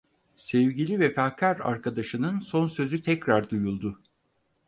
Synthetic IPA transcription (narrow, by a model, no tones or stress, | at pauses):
sɛvɟilʲivɛfaːkʰaɾa̰ɾkʰad̪aʃɯnɯnso̞nsø̞zyt̪ʰɛcɾaɾd̪ujulˠd̪ʊ